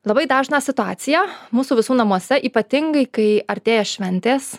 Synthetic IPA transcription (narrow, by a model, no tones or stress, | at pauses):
lˠɐbɐɪd̪ɑːʒnɑːsʲɪt̪ʊɑːt̪sʲɪjæmuːsuːʋʲɪsuːnɐmuɔsʲɛʔiːpɐt̪ʲɪŋɡɐɪkɐɪɐɾʲt̪ʲeːjɛʃʲʋʲɛnʲt̪ʲeːs